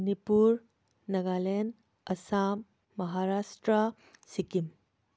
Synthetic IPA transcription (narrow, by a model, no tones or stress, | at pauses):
nipuɾ | nɐɡalen | ɐsamː | ɐɦaɾasʈɾɐ | sikim